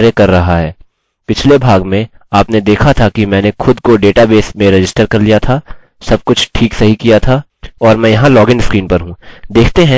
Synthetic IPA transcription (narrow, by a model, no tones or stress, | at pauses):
ɾekɐɾːɐɦaɦɛː | pɪt͡ʃʰlebʱaːɡmẽ | aːpned̪eːkʰat̪ʰakimɛ̃ːnexʊd̪koɖeːʈabeːsmẽɾɪd͡ʒɪsʈəɾkɐɾlijat̪ʰaː | sɐb̚kʊt͡ʃʰʈʰiːksɐɦikijat̪ʰa | ɔːɾmɛ̃ːjɐɦãlɔːɡɪ̃ɳɖskɾiːnpɐɾɦũd̪eːkʰt̪eɦɛ̃